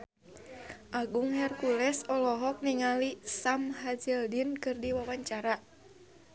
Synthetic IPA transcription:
ʔaɡuŋhɛrkulɛsɔlɔɦɔk̚niŋalisamhad͡ʒɛldinkɨrdiwawaɲt͡ʃaɾa

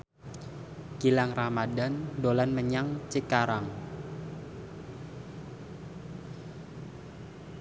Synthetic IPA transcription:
ɡ̥ilaŋramadandolanməɲaŋt͡ʃikaɾaŋ

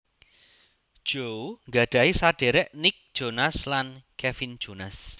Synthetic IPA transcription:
d̥ʒ̥owŋɡä̤ɖ̥a̤isaɖ̥e̤ɾɛʔnɪk̚d̥ʒ̥o̤naslankɛfin̥ʒ̥o̤nas

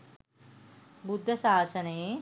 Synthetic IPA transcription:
bud̪ʱːɐsaːsɐneː

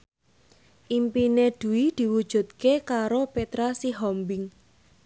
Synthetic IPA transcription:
ʔimpined̪̥ṳwid̪̥i̤wud̥ʒ̥ṳt̪̚kekaɾopet̪ɾasiɦɔmbɪŋ

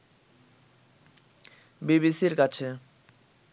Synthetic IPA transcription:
biβisiɾkat͡ɕʰe

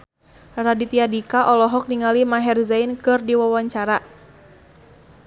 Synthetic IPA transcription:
radit̪iadikaʔɔlɔɦɔk̚niŋalimaɦɛrzajnkɨrdiwawaɲt͡ʃaɾa

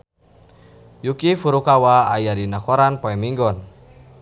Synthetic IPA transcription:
jukifuɾukawaːjadinakɔɾanpɔɛmiŋɡɔn

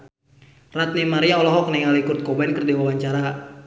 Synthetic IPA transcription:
rat̪̚nimaɾiaɔlɔɦɔk̚nɛŋalikurt̪̚kɔbankərdiwawaɲt͡ʃaɾa

